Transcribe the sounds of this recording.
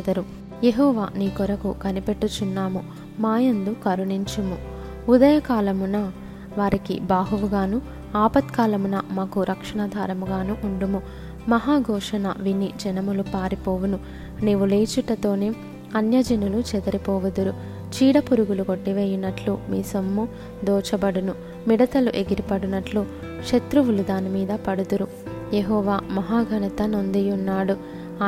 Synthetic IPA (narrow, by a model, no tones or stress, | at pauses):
d̪ɐɾu | jeɦɔːʋa̰ːniːkɔɾɐkukɐnipeʈːut͡ʃunːaːmu | maːjɐnd̪ukɐɾuniɲt͡ʃumu | ud̪ɐjɐkaːlɐmunɐ | ʋaːɾikḭbaːɦuʋuɡaːnu | aːpɐt̪kaːlɐmunɐmaːkuɾʔɐkʂɐɳɐd̪ʱaːɾɐmuɡaːnuʔuɳɖumu | mɐɦaːɡʱɔːʂɐnɐ̰ʋinid͡ʒɛnɐmulupaːɾipɔːʋunu | neːʋuleːt͡ʃuʈɐt̪o̞ːneː | ɐnjɐd͡ʒɐnulut͡ʃɛd̪ɐɾipɔːʋɐd̪uɾu | t͡ʃiːɽɐpuɾuɡuluɡoʈːiʋeːjinɐʈlumiːsɐmːu | d̪ɔːt͡ʃɐbɐɽunu | miɽɐt̪ɐluʔe̞ɡiɾipɐɽunɐʈlu | ʃɐt̪ɾuʋulud̪aːnimiːd̪ɐpɐɽud̪uɾu | jeɦɔːʋaːmɐɦaːɡʱɐnɐt̪ɐno̞nd̪ijunːaːɽu